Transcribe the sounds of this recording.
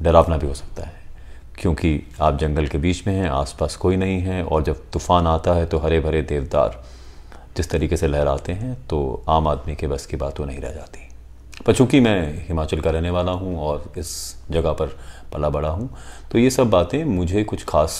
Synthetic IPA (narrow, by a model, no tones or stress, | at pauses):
ɖɐɾaːʋnabʱiɦoːsɐ̥k̚t̪aɦɛː | kjõːkiaːp̚d͡ʒɐ̃ŋɡəlkebiːt͡ʃmẽɦɛ̃ʔa̰ːspaːskoːinɐɦĩɦɛɔ̰ːɾd͡ʒɐb̚t̪uːfaːnaːt̪aɦɛt̪oɦɐɾebʱɐɾed̪eːʋd̪a̰ːɾ | d͡ʒɪst̪ɐɾiːkeselɛɦɛɾa̰ːt̪eɦɛ̃t̪o̰ːaːmaːd̪mikebɐskibaːt̪konɐɦĩɾɛ̰ɦd͡ʒa̰ːt̪i̥ɦɛ̃ | pɐɾt͡ʃũːkimɛ̃ːhɪmaːt͡ʃəlkaɾɛɦneʋaːlaɦũɔːɾɪsd͡ʒɐɡapɐɾpɐlabɐɽaɦũt̪ojesɐbːaːt̪ẽmʊd͡ʒʱekʊt͡ʃʰxaːs